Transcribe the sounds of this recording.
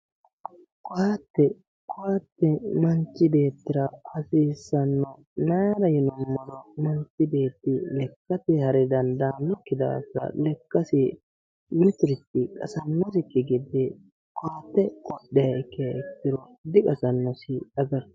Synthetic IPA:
kɔaːt̪ːɛ | kɔaːt̪ːɛmɐnt͡ʃːɪbe̞ːt̪ːɪɾɐhɐsiːsːɐnːɔ | naːɾɐjɪnɔmːɔd̪ɔmɐnt͡ʃːɪbe̞ːt̪ːɪlɛkːɐt̪ɪhɐɾɛd̪ɐnd̪ɐmɪkːɪd̪a̰ːsɾɐ̰lɛkːɐsɪ | mɪt̪ɪɾɪt̪ːɪkʼɐ̰sɐnːɔs̬ɪkːɪɡɪd̪e | kɔaːt̪ːɛkʼɔɗːɛjɐɛkːɪjɐɛkːɪɾɔ | d̪ɪkʼɐsɐnːɔsɪɐɡɐɾ

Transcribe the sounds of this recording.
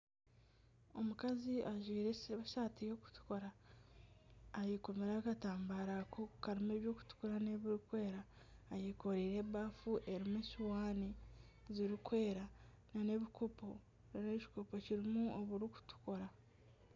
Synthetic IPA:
o̞mukaziʔaʒwiːɾeseβaʃatijo̞ku̥tu̥ko̞ɾa | jiko̞me̞ɾaːkataːmbaːɾakʰokaɾime̞ːβjo̞ːku̥tu̥koɾaneβiɾikwe̞ːɾaː | jiko̞ɾiːɾe̞βaːfuʔe̞ɾimesuwaːni | ziɾikwe̞ːɾa | nane̞βikopo | naneci̥ko̞po̞ciɾimuoβuɾiku̥tu̥ko̞ɾa

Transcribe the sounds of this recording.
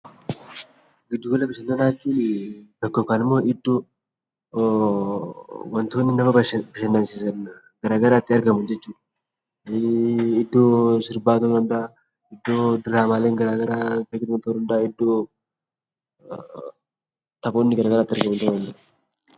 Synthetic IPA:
ɡɪd̪ːuɡɔlːɐbɐʃɐnːɐnaːt̪ːiːnd̪ɐkːofkaːnɪmːo̞ːʔɪd̪ːo | wɔnt̪o̞ːnːɪnɐmɐbɐʃɐnːansisɐn | ɡɐɾaːɡɐɾaːt̪ːɪɐɾɡɐmɐnd͡ʒɛt͡ʃːuːᶑɐ̥ | ɪd̪ːo̞ːsɪɾbaːt̪od̪ɐnd̪ɐa | ɪd̪ːo̞ːd̪ɪɾaːmaːleːŋɡɐɾaːɡɐɾaːt̪ɐɡɪt̪ʊmɐnt̪od̪ɐnd̪ɐʔaːɪd̪ːo̞ː | t̪ɐfo̞ːnːɪɡɐɾɐɡɐɾaːt̪ːɪɐɾɡɐmɐnt̪ɐmɐnd͡ʒɐ

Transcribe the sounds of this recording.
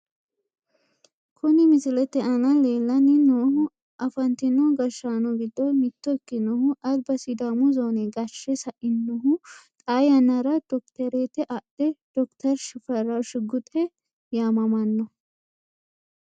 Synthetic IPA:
kʰʊnɪmɪsɪlɛt̪ːɛʔɐnɐle̞ːlːɐnɪnoːhʊ | ɐfɐnt̪ɪnːɔɡɐʃaːnɔɡɪd̪ːɔmɪt̪ːɔɪkːɪnɔhʊʔɐd̪bɐsɪd̪amʊzoːnɛɡɐʃːɛsɐʔɪnːɔɦʊt̪ʼajɐnːɐɾɐd̪̥ɔkt̪ɐɾeːt̪ːɛʔɐd̪̥ɛd̪̥ɔkt̪ɐɾʃɪfɐɾɐʃɪɡʊt̪ʼɛ | jaːmɐmɐnːɔ

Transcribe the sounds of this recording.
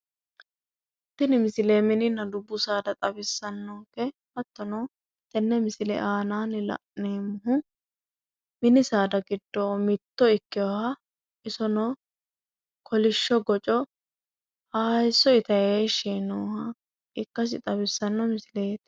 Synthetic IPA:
t̪ːɪnɪmɪsɪleːmɪnɪnːɐd̪ʊbːʊsaːd̪ɐt̪ʼɐbɪsːɐnːoːkɛhɐt̪ːɔno | t̪ɛnːɛmɪsɪlɛ̰ʔaːnaːnɪlɐ̰ʔneːmʊɦʊ | mɪnɪsaːd̪ɐɡɪd̪ːoːmɪt̪ːɔɪkːɪɔhɐ | ʔɪsɔnɔː | kʰɔlɪʃːɔɡɔt͡ʃʼɔ | haːjsːɔɪt̪ɐjeːʃiːnoːhɐ | ʔɪkːɐs̬ɪ̰t̪ʼɐbɪsːɐnːɔmɪsɪleːt̪

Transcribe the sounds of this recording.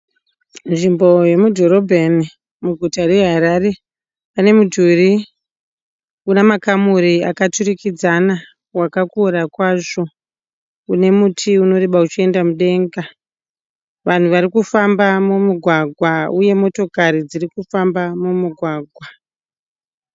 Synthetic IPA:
nʐimbo̞je̞mudʱoɾobʱeni | muɡʱutare̞ɦaɾare̞ | pane̞mudʱuri | unemakamuɾiakaturikid͡zana | wakakuɾakwaʐo̞ | une̞mutʰiuno̞ɾeɓaut͡ʃie̞ndamuɗe̞ŋɡa | ʋan̤uʋaɾikufambamumuɡʱwaɡʱwauje̞mo̞to̞kaɾid͡zirikufambamumuɡʱwaːɡʱwa

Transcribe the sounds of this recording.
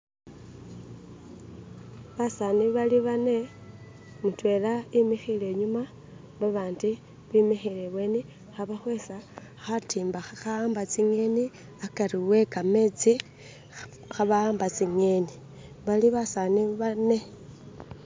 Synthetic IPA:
βasaniβaliβane̞ | mutwe̞laimixileɲuma | βaβaːndi | βimixileβwe̞ni | xaβaxwe̞sa | xatiːmbaxaaːmbat͡siŋe̞ni | akariwe̞kame̞ːt͡si | xaβaaːmbat͡siŋeni | βaliβasaniβane̞

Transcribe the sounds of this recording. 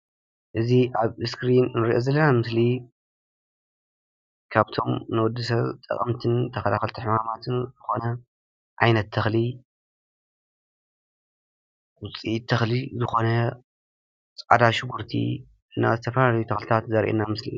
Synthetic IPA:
ʔɨziʔaβɨskɾinnɨɾiʔozɐlːɐnamɨsli | kʰaβt̪ʰo̞mnɨwɔd̪ːɨsɐβt̪ʼɐ̰kʼɐ̰mt̪ʰɨnt̪ʰɐfɐlaxɐlt̪ʰɨħmamat̪ʰɨnzɨxo̞nɐ | ʕajnɐt̪ʰːɐxli | wʊt͡sʼit̪ʰɐxlizɨxo̞nɐ | t͡sʼa̰d̪aʃɪɡuɾt̪ʰḭ | ɨnːa̰zɨt̪ʰɐfɐlalɐjut̪ʰɐxlɨt̪ʰat̪zɐɾʔḛnːamɨslḭ

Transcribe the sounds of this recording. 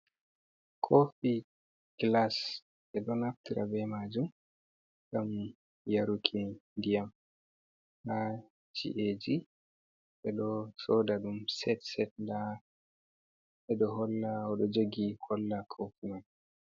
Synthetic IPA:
kʰofi | ɡ̥las | ʔɛɗɔnaftiɾa̰bɛmad͡ʒum | ɡam | jaɾukʰindijam | ha | d͡ʒḭʔed͡ʒi | ɛɗɔsɔdaɗumsɛtsɛt̚nda | ʔɛɗɔɦɔlːaɔɗɔd͡ʒoɡihʰɔlːakʰofiman

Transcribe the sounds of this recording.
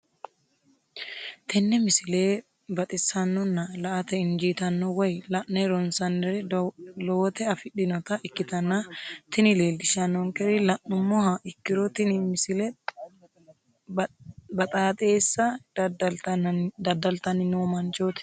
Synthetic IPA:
t̪ɛnːɛmɪsɪleː | bɐt̪ʼɪsɐnːɔnːɐlɐʔɐt̪ɛɪnd͡ʒiːt̪ɐnːɔwɐjlɐʔnɛɾɔnsɐnd̪ɛɾɛloːt̪ɛɐfɪᶑɪnɔt̪ɐʔɪkːɪt̪ɐnːat̪ɪnɪleːld̪ɪʃɐnːɔŋkɛɾɪlɐʔʊmːɔhaʔɪkːɪɾɔt̪ɪnɪmɪsɪlɛ | bɐt̪ʼaːt̪ʼe̞ːsːɐ | d̪ɐd̪ɐlt̪ɐnɪnoːmɐnt͡ʃoːt̪ɪ̥

